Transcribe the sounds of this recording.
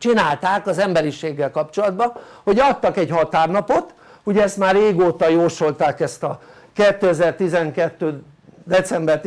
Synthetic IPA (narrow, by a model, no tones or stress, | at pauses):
t͡ʃinaːlt̪aːkɒzɛmbɛɾiʃeːɡːɛlkɒpt͡ʃo̞lɒd̪bɒ | ho̞ɟɒt̪ːɒkɛɟhɒt̪aːrnɒpo̞t̪ | uɟɛɛst̪maːrːeːɡoːt̪ɒjoːʃo̞lt̪aːkɛst̪ɒ | kɛt̪ːøɛzɛːrt̪izɛŋkɛt̪ːøː | d̪ɛt̪sɛmbɛrt̪